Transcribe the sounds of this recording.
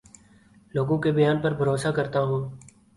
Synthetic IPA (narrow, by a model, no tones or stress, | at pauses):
loːɡõːkebəjaːnpəɾbʱəɾoːsaːkəɾt̪aːɦũː